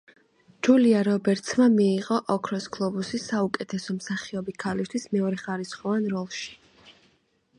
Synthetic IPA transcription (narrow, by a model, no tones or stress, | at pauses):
d͡ʒuliaɾɔbɛɾt̪sʰmamiːʁʼɔʔɔkʰɾɔsɡlˠɔbusisaukʼɛt̪ʰɛsɔmsaχiɔbikʰalist̪ʰwismɛɔɾɛχaɾisχɔvanɾɔlˠʃi̥